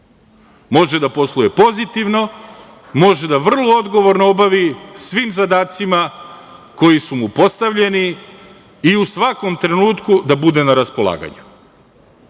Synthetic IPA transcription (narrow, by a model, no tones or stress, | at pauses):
mo̞ʒe̞d̪apo̞slˠujepo̞zit̪iʋno̞ | mo̞ʒe̞d̪aʋr̩lˠoo̞d̪ɡo̞ʋo̞ɾnoobaʋisʋiːmzad̪aːt̪sima | ko̞jisumupo̞st̪aʋʎe̞niː | usʋako̞mt̪ɾe̞nuːt̪kud̪abud̪e̞naɾaspo̞lˠa̰ːɡa̰ɲu